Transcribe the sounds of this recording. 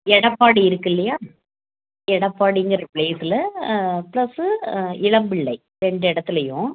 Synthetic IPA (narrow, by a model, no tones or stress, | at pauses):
ɛɽɐpːaːɽiɪɾɯkːɪlːɐjaː | ɛɽɐpːaːɽiŋɡɾɐɐpɭeːsɪlɐplɐsɯɪɭɐmbɪɭːɐɪ | ɾɛɳɖɯɛɽɐt̪ːɪlɐjʊ̰̃